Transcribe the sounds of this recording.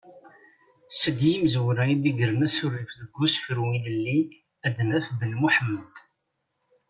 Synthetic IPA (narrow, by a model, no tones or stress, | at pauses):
səɡjimzwɾæid̪iɡəɾənæsʊrːifðəɡːusfɾuiləlːi | æd̪næfbəlmuħəmːəd̪̥